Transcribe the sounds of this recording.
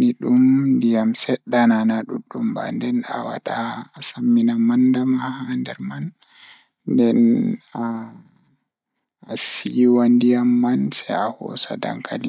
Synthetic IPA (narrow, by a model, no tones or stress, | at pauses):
niɗumndijamsɛɗːananaɗuɗːumba̰ndɛna̰wa̰ɗaːsamːinamandamahandɛɾman | ndɛna | siwandijamːansɛahɔ̰sa̰da̰ŋkʰa̰ni